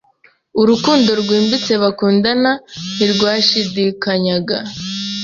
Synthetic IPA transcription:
uɾukuːndo̞ɾɡwiːmbit͡se̞βakuːndananiɾɡwaːʃidikaɲaɡa

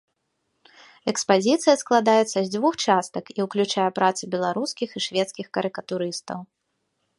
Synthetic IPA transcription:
ɛkspazʲit̪sɨjɐsklˠad̪ajɛt̪sːɐzʲd͡zʲvuxt͡ʂast̪ɐkiwklʲut͡ʂajɛpɾat̪sɨbʲɛlˠaɾuskʲixiʂvʲɛt̪skʲixkɐɾɨkɐt̪uɾɨst̪ɐ̰w

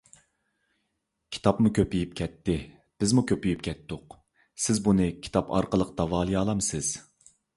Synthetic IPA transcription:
kʲʰi̥t̪ʰɑpmukʲʰøpijip̚kʲʰɛt̪ʰːɪ | b̥ɪzmukʲøpijypkʲʰɛt̪ːʊq | sɪzbunɨkʲʰi̥t̪ʰɑpʰɑ̰ɾqəlˠəqʰt̪ɑvɑːlˠijɑːlˠɑmsɪz̥

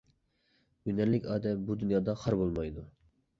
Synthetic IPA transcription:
ɡynæɾlɪkʲɑːd̪ɛbud̪unjɑːd̪ɑχʰɑɾbolˠmɑjd̪u

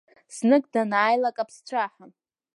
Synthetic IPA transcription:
snɨɡdanaːjlakʼapʰst͡ɕʷʰaħan

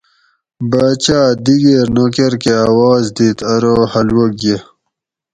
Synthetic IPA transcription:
baːt͡ɕaːd̪iɡeɾnokeɾkeaːwaːzd̪iːt̪ɐɾoːhɐlwoɡe

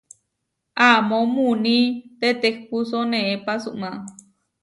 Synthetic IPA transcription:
amõmunĩt̪et̪ek̚pusonẽʔepasuʔmãʔ

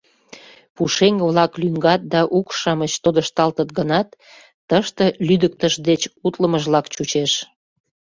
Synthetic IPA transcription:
puʃeŋβlɑklyŋɡɑt̪̚d̪ɑʔukʃɑmət͡ɕt̪od̪əʃt̪ɑlt̪ət̪̚ɡənɑt̪ː | əʃt̪əlyd̪ək̚t̪əʃd̪et͡ɕut̪ləməʒβlɑkt͡ɕut͡ɕeʃ

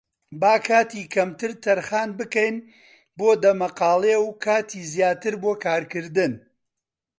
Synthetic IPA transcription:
baːkʰaːt̪iːkʰɐmt̪ɨɾt̪ʰɐɾχaːnbɨkɐjn | boːd̪ɐmɐqɑːlˠewkʰaːt̪ʰiːzjaːt̪ɨɾboːkʰaːɾkɨɾd̪ɨn

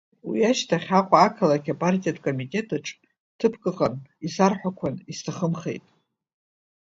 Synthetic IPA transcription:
wḭaʃtʰaχʲaqʷʼaːkʰalakʲapʼartʼijadkʼo̞mitʼe̞tʰʼaʈ͡ʂʰʼ | tʰɨpʰkʼɨʁʼanisarħʷᶣakʷʰanistʰaχəmχe̞̰jtʼ

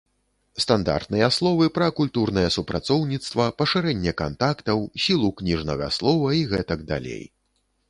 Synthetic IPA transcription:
st̪and̪a̰rt̪nɨjɛaslˠɔvɨpɾɐkulʲt̪urnɐjɛsupɾat̪sɔwnʲit̪st̪vɐpɐʂɨɾɛnʲːɛkant̪akt̪ɐwsʲilˠuknʲiʐnɐ̰ɣɐ̰slˠɔvɐiɣɛt̪ɐɡd̪a̰lʲḛj

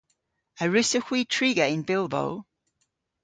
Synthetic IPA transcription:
əɹʉsəhwiːtʰɹ̥iɡəɪ̃nbɪlˠbo̰ʊ

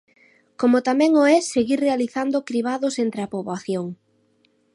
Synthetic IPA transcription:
komʊt̪amɛ̃ŋoɛseɣiɾrealiθand̪okɾiβ̞aðʊsent̪ɾeapoβaθjoŋ

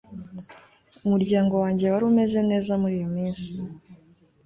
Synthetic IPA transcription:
umuɾɟaːŋɡo̞waːɲɟe̞waɾume̞ze̞ne̞ːzamuɾiːjomiːnsi̥

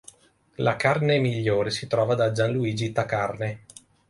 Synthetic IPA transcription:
lakarnemiʎːoːɾesit̪ɾɔːvad̪ad͡ʒanluiːd͡ʒit̪akarne

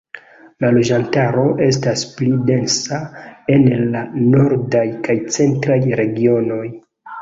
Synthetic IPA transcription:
lalo̞d͡ʒantaɾo̞ʔe̞s̬tasplide̞nsae̞nlano̞ɾdajkajt͡se̞ntɾajɾe̞ɡio̞no̞j

